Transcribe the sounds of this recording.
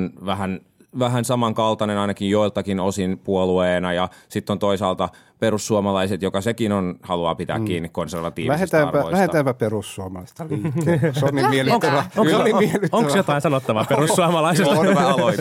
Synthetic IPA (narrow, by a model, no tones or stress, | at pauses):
nʋæhæn | ʋæɦænsɑmɑŋkɑlt̪ɑnenɑinɑkijjoilt̪ɑkinosinpuolueːnɑjɑsit̪ːont̪oisɑːlt̪ɑ | perusːuomɑlɑiset̪jokɑsekinonhɑluɑ̰ːpit̪æ̰ːkkiːnːikkonserʋɑt̪ḭːʋlæhest̪æːm̰rpæo̰iæhet̪æːmpæperusːuomɑlɑist̪ɑliːkːesonːimielioŋoŋonːimielyt̪oŋksjot̪ɑĩnsɑnot̪ːɑʋɑperussuɑmɑlɑisesæɑloit̪